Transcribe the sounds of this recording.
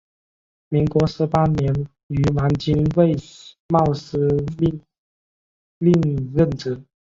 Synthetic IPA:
mi˧˥ŋkwɔ˧˥ʂɻ̩˧˥pa˥njɛ˧˥n | y˧˥wa˧˥nt͡ɕi˥nwe˥˩ɪ | mɑ˥˩ʊʂ̩˥˧ | li˥˧ŋɻə˥˩nʈ͡ʂɻ̩˥˩˦

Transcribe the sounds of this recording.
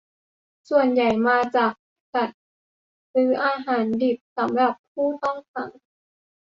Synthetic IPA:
su˨˩ənja˨˩jmaː˧t͡ɕaː˨˩k̚ | ta˨˩t̪̚ | ɾɯː˩˦ʔaː˧ɦaː˩˦ndi˨˩p̚sa˩˦mɾa˨˩p̚pʰːuː˥˩t̪ɔ˥˩ŋfa˨˩˦ŋ

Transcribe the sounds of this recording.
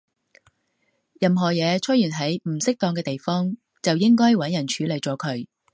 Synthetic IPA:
jɐ˨mɦɔː˨˩jɛː˨˧t͡ʃʰɵ˥jyː˨˩nɦɐ˨˥jm̩˨˩sɪ˥k̚t̪ɔː˧ŋkɛː˧t̪e˨jfɔː˥ŋ | t͡sɐ˨wjɪ˥ŋkɔː˥jwɐ˨˥njɐ˨˩nt͡ʃʰyː˨˥le˨jt͡sɔː˨˥kʰɵ˨˧ɥ

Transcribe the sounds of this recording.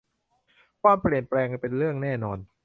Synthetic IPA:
kaː˧npɾi˨˩ənplɛː˧ŋpe˧nɾɯ˥˩əŋnɛː˥˩nɔː˧n

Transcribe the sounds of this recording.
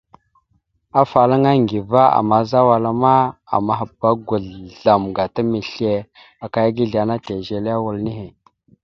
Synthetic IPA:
a˦fa˨la˦ŋa˦ŋɡi˨va˦a̰˨ma˨za˦wa˨la˦ma˦a̰˨ma˦ɦa˨ba˦ɡu˨ɮɮa˨mɡa˨ta˦mi˨ɬe˨ | a˨ka˨ja˦ɡi˦ɮa˨na˦te˨ʒe˨le˦a˦wu˨lni˦ɦe˨

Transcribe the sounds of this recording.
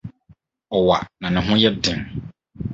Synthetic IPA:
ɔ˨wa̰˨nã˨nɪ̃˨ɦʊ̃˦jɛ˦dɪ̃˨m

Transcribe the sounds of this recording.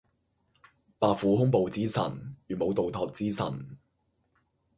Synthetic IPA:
paː˨kfuː˨˥ɦʊ˥ŋpo˨wt͡siː˥sɐ̰˨˩nɥyː˨mo˨˧wt̪o˨wt̪ʰɔː˨k̚t͡siː˥sɐ̰˨˩n

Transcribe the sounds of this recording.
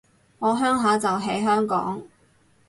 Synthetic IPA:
ŋɔː˨˧ɦœː˥ŋɦaː˨˧˥t͡sɐ˨wɦe˨˥jɦœː˥ŋkɔ̰ː˨˥ŋ

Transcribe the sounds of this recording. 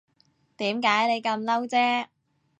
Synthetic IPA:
t̪iː˨˥mkaː˨˥jne˨˧jkɐ˧mlɐ˥wt͡sɛː˥

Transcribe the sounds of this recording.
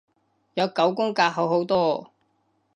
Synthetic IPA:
jɐ˨˧wkɐ˨˥wkʊ˥ŋkaː˧ɦɐ˨˧wɦo˨˥wt̪ɔː˥

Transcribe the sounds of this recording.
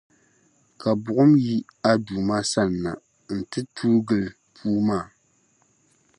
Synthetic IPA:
ka˨bʊ˨ʔʊ˦mji˦a˦duː˨ma˦sa˦lna̰˨ | n̩˨tɨ˦tʰu˦ɡɨ˨l | pʰuː˦maː˦˨

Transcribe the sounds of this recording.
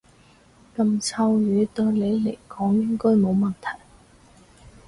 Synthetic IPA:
kɐ˧mt͡sʰɐ˧wjyː˨˥t̪ɵ˧ɥle˨˧jle˨˩jkɔː˨˥ŋjɪ˥ŋkɔː˥jmo˨˧wmɐ˨nt̪ʰɐ˨˩j

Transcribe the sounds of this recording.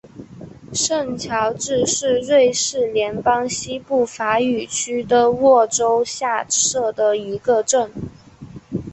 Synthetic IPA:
ʂə˥˩nt͡ɕʰjɑ˧˥ʊʈ͡ʂɻ̩˥˧ʂɻ̩˥˧ɻwe˥˧ɪʂɻ̩˥˩ljɛ˧˥npɑ˥ŋɕi˥pu˥˩fa˧˥y˨˩t͡ɕʰy˥d̪ə˨wɔ˥˩ʈ͡ʂo˥ʊɕja˥˧ʂɤ˥˩d̪ə˩i˧˥ɡə˧ʈ͡ʂə˥˩ŋ

